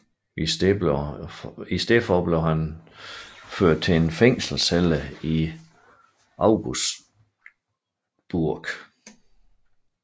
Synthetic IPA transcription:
is | isd̥efɒb̥le̝ʊhæn | føɐ̰d̥̚t͡sʰe̝enfeŋ̰sl̩seləi | ʔɑ̈ʊɡ̥usd | b̥uɐɡ̥

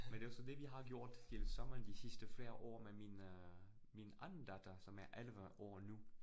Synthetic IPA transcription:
mend̥e̝jʊsɒ̽d̥e̝ʋiɦɑ̈ɡ̥jo̝ɐ̰d̥t͡sʰelsɒ̽mɐnd̥isisd̥əfle̝ːɐʔɒ̰ːmemin | minɑ̈ɪn̩d̥æd̥ʰɐsɒ̽mæɐʔælʋəʔɒ̰ːnu

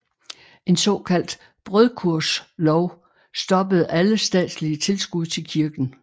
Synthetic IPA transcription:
ʔe̝nsɒ̽kʰæl̰d̥ | b̥ʁœðˠkʰuɐ̰slɒʊ | sd̥ɒ̽bəð̞̩ˠæləsd̥ɛ̰ːd̥sliət͡sʰe̝lsɡ̥uð̞̰ˠt͡sʰe̝lkʰiɐɡ̥n̩

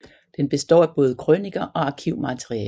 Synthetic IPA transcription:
d̥enb̥e̝sd̥ɒ̰ːæb̥ɔ̽ːð̞ˠəkʰʁøniɡ̥ɐʔɒ̽ɑ̈kʰiʊ̰mæt͡sʰʁiɛː

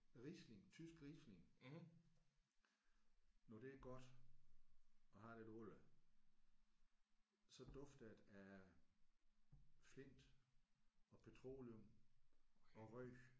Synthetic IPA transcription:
ʁiːsle̝ŋt͡sʰysɡ̥ʁiːsle̝ŋ | nɒd̥e̝æɡ̥ɒ̽d̥ | ɒ̽ɦɑ̈d̥edɔlə | sɒ̽d̥ɔ̽fd̥əd̥æ | fle̝n̰d̥ | ɒ̽pʰet͡sʰʁo̝̰ːlɔm | ɒ̽ʁœ̰ː

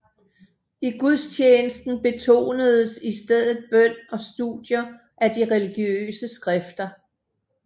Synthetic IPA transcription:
iɡ̥uð̞ˠst͡ɕʰeːnəsd̥n̩b̥e̝t͡sʰo̝̰ːnəð̞ˠəsisd̥eð̞̰ˠð̩ˠb̥œn̰ɒ̽sd̥ṵð̥ˠjɐ | ʔæd̥iʁɛliɡ̥jø̰ːsəsɡ̥ʁɛfd̥ɐ

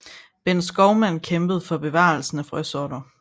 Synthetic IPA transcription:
b̥ensɡ̥ɒʊmæn̰kʰemb̥əð̞̩ˠfɒ̽b̥e̝ʋɑ̰̈l̩sn̩æfʁœsɒɾ̥ɐ

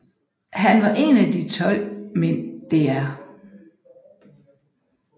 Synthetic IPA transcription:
ɦænʋɑ̈ʔe̝næd̥it͡sʰɒ̽l̰mend̥e̝æɐ

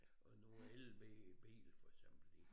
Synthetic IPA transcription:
ɒnuelʋḛb̥ḭːlfɒɡ̥sem̰b̥l̩i

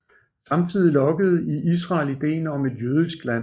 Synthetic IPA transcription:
sɑ̈mt͡sʰið̞̰ˠilɒ̽ɡ̥əð̞̩ˠiʔis̬ʁɑ̈ːlid̥e̝̰ːnɒ̽me̝d̥jøːð̞ˠisɡ̥læn̰

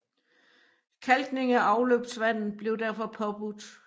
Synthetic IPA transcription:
kʰælɡ̥ne̝ŋæɑ̈ʊløːb̥d̥sʋæn̰ð̩ˠb̥le̝ʊd̥æɐfɒ̽pʰɒ̽b̥ud̥

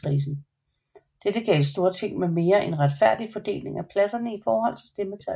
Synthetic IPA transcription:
ʁiːs̬n̩ | d̥ed̥əɡ̥ɛ̰ːlsd̥o̝ːɐt͡sʰe̝ŋ̰meme̝ːɐʔe̝nʁad̥fæɐ̰d̥ifɒ̽d̥e̝̰ːle̝ŋæpʰlæsɐnəifɒːhɒ̽l̰t͡sʰe̝lsd̥emət͡sʰæ

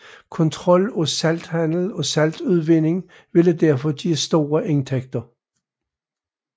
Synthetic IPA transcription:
kʰɒ̽nt͡sʰʁɒ̽l̰ɒsæld̥hæn̰l̩ɒ̽sæld̥uð̞ˠʋe̝ne̝ŋ | ʋe̝ləd̥æɐ̰fɒ̽d̥iæsd̥o̝̰ːɐʔe̝nt͡sʰeɡ̥d̥ɐ

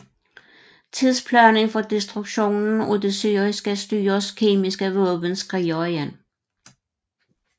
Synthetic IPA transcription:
t͡sʰið̰ˠspʰlœneŋfɒd̥e̝sd̥ʁuɡ̥ɕo̝̰ːnn̩ɒd̥esyːʁisɡ̥əsd̥y̰ːɐskʰe̝ːmisɡ̥əʋɔːb̥ənsɡ̥ʁiɒæn

